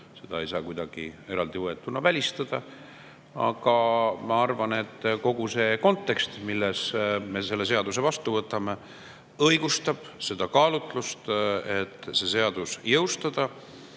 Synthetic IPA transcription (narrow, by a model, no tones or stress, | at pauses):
se̞d̪ɑe̞jsɑːkujd̪ɑɡ̥ie̞ɾɑld̪̥ivoe̞t̪ːˑunɑvælʲist̪ɑd̪̥ɑ | ɑ̰ɡ̥ɑmɑɑrvɑne̞t̪ːko̞ɡ̥use̞ko̞nt̪ːˑe̞kst̪milːesme̞se̞lːe̞s̬e̞ɑd̪use̞vɑst̪uvɤt̪ːˑɑme̞ | ɤjɡ̥ust̪ɑb̥se̞d̪̥ɑkɑːlut̪ˑlust̪e̞t̪ːse̞se̞ɑd̪̥usjɤwst̪ɑd̪̥ɑ